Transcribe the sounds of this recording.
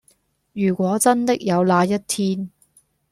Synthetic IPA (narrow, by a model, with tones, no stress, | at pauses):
jyː˨˩kʷɔː˨˧˥t͡sɐ˥nt̪ɪ˥k̚jɐ˨˧wlaː˧jɐ˥t̚t̪ʰiː˥n